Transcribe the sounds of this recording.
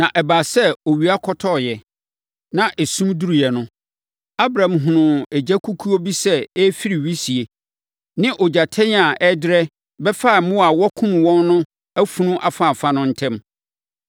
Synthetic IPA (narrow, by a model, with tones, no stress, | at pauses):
nã˨ʔɛ˨baː˨sɛ˦o˨ɥi˨˦a˦kʰɔ˦tʰɔ˦˨jɛ˨ | nã˨ʔɛ˨sũ˦mdu˦ɾi˨ɛ˨nʊ̃˦ | a˦bɾã˨mɦʊ̃˨nʊ̃˨ɛ˨d͡ʑæ˦kʰu˦kʰu˦o˦bi˦sɛ˦ɛ˦fi˦ɾi˨ɥi˦si˨e˨ | nɪ̃˦ʔɔ˨d͡ʑa˨tʰɛ̃˦n˦a˨ʔɛ˦dɪ˦ɾɛ˦ | bɛ˦fa˦˨˦mʊ̃˦a˨wɔ˦kʰʊ̃˦ñ˨wɔ̃˦nːʊ̃˦ | æ˦fũ˦nũ˦ʔa˨fa˦˨fa˨nʊ̃˦n̩˦tʰɛ̃˦m